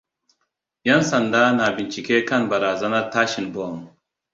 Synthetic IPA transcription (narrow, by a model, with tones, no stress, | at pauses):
jɐ˦nsɐ˨nd̪aː˦naː˨bi˨nt͡ʃi˨ke˦kɐ˦nbɐ˨ɾaː˨zɐ˦nɐ˦t̪aː˦ɕi˨nbo˨m